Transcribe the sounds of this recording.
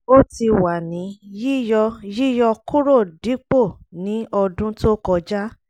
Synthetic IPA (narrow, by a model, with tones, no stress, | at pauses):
o˦ti˧wa˨nĩ˨˦ji˦jɔ˧ji˦jɔ˧ku˦ɾo˦˨di˨˦k͡po˦˨nĩ˨˦ɔ˧dũ˦to˦kɔ˧d͡ʒa˦